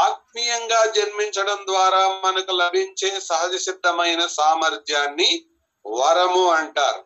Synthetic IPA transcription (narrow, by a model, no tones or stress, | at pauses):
aːt̪̚mijɐŋɡaːd͡ʒɐnmiɲt͡ʃɐɽɐnd̪ʋaːɾaːmɐnɐkulɐbʱiɲt͡ʃe̞ːsɐɦɐd͡ʒɐsid̪ːɐmɐjnɐsaːmɐɾt̪ʰjaːnːi | ʋɐɾɐmuɐɳʈa̰ːɾu